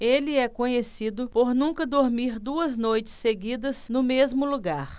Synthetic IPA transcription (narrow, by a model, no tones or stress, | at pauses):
elɪɛkõɲesid̪ʊpoɾnũkɐd̪oɾmiɾd̪uɐznojt͡ʃɪ̥sːeɡid̪ɐsnʊmezmʊluɡaɾ